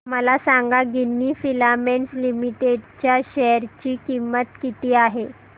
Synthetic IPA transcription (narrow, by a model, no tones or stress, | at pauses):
məlasaŋɡaɡinːiːfilamenslimiʈeɖt͡ɕjaɕɛɾt͡ɕiːkimət̪kit̪iːaɦe